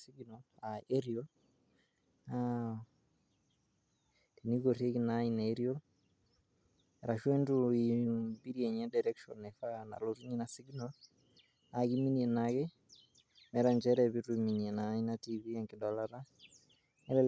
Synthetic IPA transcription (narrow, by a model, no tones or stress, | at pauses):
siɡnolaeɾio | a | tiniɣoɾekinainaeɾio | ɛɾaʃwentuibiɾjeɲɛdaɾɛkʃɔ̰nɛfana̰lotuɲinasiɡnol | aɣiminenaɣe | mɛɾaɲd͡ʒɛɾɛβitumiɲienainatiβiɛŋkidɔlaɾa | ɛlɛ